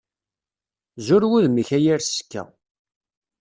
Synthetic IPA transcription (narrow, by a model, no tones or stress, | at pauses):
zʊɾwuðməçæjæɾskːæ̰